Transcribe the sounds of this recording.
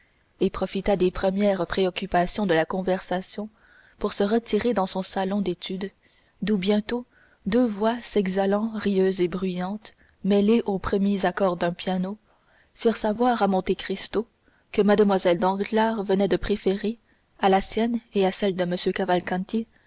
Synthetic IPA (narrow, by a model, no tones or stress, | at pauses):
epχɔfit̪ad̪epχəmjɛːʁpχeɔkʲypasjɔ̃d̪əlakɔ̃vɛʁsasjɔ̃ | puʁsəʁət̪ʰiʁed̪ɑ̃sɔ̃salɔ̃d̪et̪ʰyd̪ | d̪ubjɛ̃t̪o | d̪øvwasɛɡzalɑ̃ʁiøːzebʁyjɑ̃t̪ | mɛleʔopχəmjezakɔʁd̪ɛ̃pjano | fiːʁsavwaːʁamɔ̃t̪ekχist̪o | kəmad̪əmwazɛld̪ɑ̃ɡlaːʁvənɛd̪əpχefeʁe | alasjɛneasɛld̪əməsjøkavalkɑ̃t̪je